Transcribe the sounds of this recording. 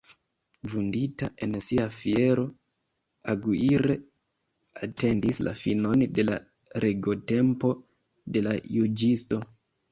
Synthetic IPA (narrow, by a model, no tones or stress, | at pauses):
vundita̰ʔe̞nsiafie̞ɾo̞ | aɡuiɾe̞ | ate̞ndisla̰fino̞nde̞la̰ | ɾʔeɡo̞te̞mpo̞ | de̞lajud͡ʒisto̞